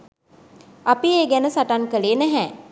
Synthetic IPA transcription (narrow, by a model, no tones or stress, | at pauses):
apieːɡænəsaʈaŋkəleːnæɦɛː